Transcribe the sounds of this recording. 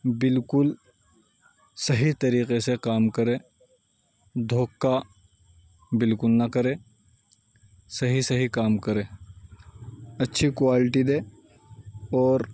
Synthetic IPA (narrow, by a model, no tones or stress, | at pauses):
bɪlkʊl | sɐɦit̪ɐɾiːqesekaːmkɐɾẽː | d̪ʱoːkːa | bɪlkʊlnɐkɐɾẽː | sɐɦisɐɦikaːmkɐɾẽː | ɐtːʃʰikwaːlɪʈid̪ẽː | ɔːɾ